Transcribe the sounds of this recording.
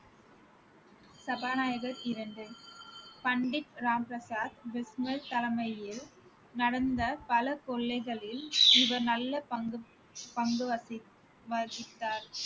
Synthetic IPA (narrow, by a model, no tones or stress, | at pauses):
sɐbaːnaːjɐɣɐtɪɾɐɳɖɯ | pɐɳɖɪp̚ɾaːmpɾɐsaːd̪ʋɪsmɐɾt̪ɐlɐmɐjɪl | nɐɽɐnd̪ɐpɐlɐkɔɭːɐɪɣɐɭɪlɪʋɐɾnɐlːɐpɐ | pɐŋɡɯʋɐsɪ | ʋɐsɪt̪ːaːɾ